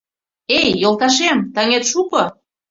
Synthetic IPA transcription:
ejːolt̪ɑʃ̬emt̪əŋet̪ʃuko

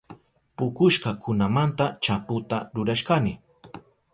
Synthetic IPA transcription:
pʊkʊʃɢɑkʊnamant̪at͡ʃapʊt̪aɾʊɾaʃkanɪ

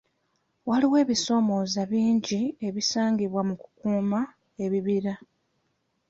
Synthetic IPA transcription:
waliwe̞ːβiso̞ːmo̞ːzaβiːɲɟie̞βisaːŋɡiβwamuku̥kuːma | e̞βiβiɾa

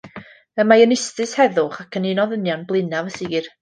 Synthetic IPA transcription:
əmajənɪstɨshɛðʊχakʰənɪnɔðənjɔnblˠɨnavəsiɡir

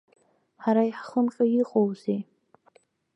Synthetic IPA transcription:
ħaɾaiħχəmqʲʼajiqʼowze

